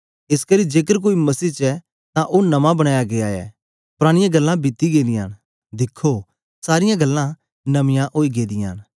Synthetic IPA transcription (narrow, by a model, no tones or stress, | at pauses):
ɪskɐɾid͡ʒeːk̬əɾk̬oːimɐsiːt͡ʃɛ | t̪ãʔonɐmãbɐɽ̃aːjaɡeaːɛ̰ | pʊɾaːɽ̃ɪjãɡɐlːãbɪt̪ːiɡeːd̪ɪja̰ːñ | d̪ɪkʰːo | saːɾɪjãɡɐlːã | nɐmɪjãʔoːiɡeːd̪ɪja̰ːn